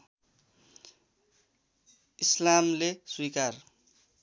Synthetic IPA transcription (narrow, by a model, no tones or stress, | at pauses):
islamleswikar